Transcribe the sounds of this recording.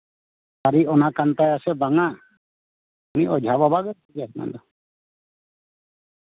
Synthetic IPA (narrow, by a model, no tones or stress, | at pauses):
aɾiɔnakant̪ajasɛbaŋa | uniʔɔd͡ʒʱababaɡɛɾt̪ʰɛɡakna̰nd̪ɔ